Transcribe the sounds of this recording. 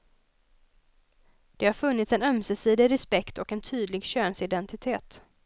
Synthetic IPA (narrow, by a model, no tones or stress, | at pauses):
d̪̥ɛhaɾfɵnːɪt̪sɛnœmsɛsiːd̪ɪɾɛspɛkt̪ɔkɛnt̪ʰyːd̪lɪɡɕøːnsɪd̪ɛnt̪ɪt̪ʰeːt̪